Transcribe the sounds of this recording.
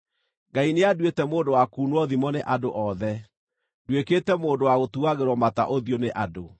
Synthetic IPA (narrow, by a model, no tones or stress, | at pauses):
ɡaineadwetɛmoːndowakuːnwɔðimɔneʔadoʔɔðɛ | dwekeːtɛmoːndowaɣotuaɣeɾwɔmata̰ʔoðioneʔado